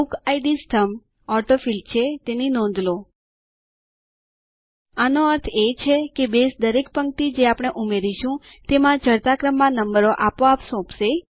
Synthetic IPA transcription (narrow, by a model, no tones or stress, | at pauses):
ukaiɖisʈʰəm | ɔʈofilt͡ʃʰet̪eninɔ̃nd̪lo | anoəɾt̪ʰet͡ʃʰekebesd̪əɾek̚pəŋkt̪id͡ʒeapɽ̃eʔumeɾiʃũt̪emãd͡ʒəɾt̪akɾəmːãnəmbəɾoʔapoapsɔ̃pʃe